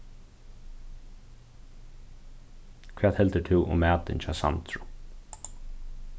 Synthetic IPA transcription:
kʰvæːt̪hɛlt̪ət̪ʰɪwʔʊ̰mːæːt̪ɪ̰nt͡ʃʰaːsa̰nt̪ɹʊ

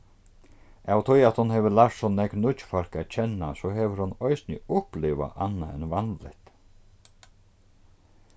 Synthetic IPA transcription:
awt̪ʰɔjat̪hʊnɦɛvəlaftsɔnɛknʊt͡ʃfaɾ̥kat͡ɕʰɛnːasɔɦɛvəɾhʊnɔjsnɪʊhplɪʋa̰ʔanːa̰ɛnvanlɪ̰ht̪

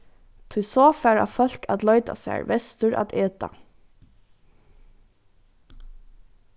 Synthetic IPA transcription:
t̪ʰʊjsɔːfæɹa̰fœl̥ka̰t̪lɔʏt̪a̰sæ̰ːɹʋɛst̪ʊɹʔa̰t̪eːt̪a̰

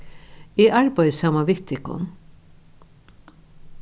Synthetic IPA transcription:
iːʔɑɹbɑɪsɑmaʋɪt̪ʰɪkʊ̰n

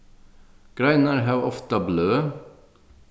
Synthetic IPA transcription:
ɡ̥ɾæɪnəɾɦɑːʋʔɔft̪ɑbløː

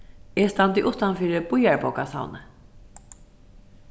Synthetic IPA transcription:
ɛst̪ant̪ɪʔʊht̪anfiːɾəb̥ʊjaɹbɔwkasa̰wnə

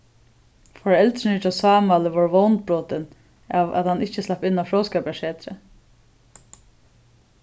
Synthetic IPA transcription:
fɔɹɛlt̪ɾɪnɪt͡ʃasɑːmaːlɪʋɔɹʋownt̪̚bɹɔːt̪ɪn | aːva̰t̪hanːɪht͡ʃɪslapɪnːafɹowskɛːpjaʂɛːt̪ɾə̰

